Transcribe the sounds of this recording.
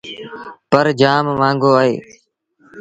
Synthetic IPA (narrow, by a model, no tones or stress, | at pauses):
pəɾd͡ʒaːmmãːŋɡoːaːɦeː